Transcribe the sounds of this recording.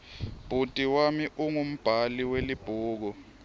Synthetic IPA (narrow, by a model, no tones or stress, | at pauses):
b̥ʱutʼiwamiʔuŋum̩b̥ʱaliwelib̥ʱuːk̬ɔ